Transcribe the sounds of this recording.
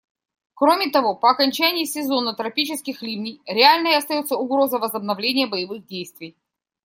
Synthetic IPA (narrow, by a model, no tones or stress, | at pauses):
kɾomʲɪt̪ɐvo̞pəːkɐnʲt͡ɕænʲɪjɪsʲɪzo̞nət̪ɾɐpʲit͡ɕɪskʲɪxlʲimnʲɪjɾʲɪalʲnəjɐst̪ɐjo̞t̪səʊɡɾo̞zəvəzəbnɐvlʲenʲɪjəbəjɪvɨɣdʲejst̪vʲɪj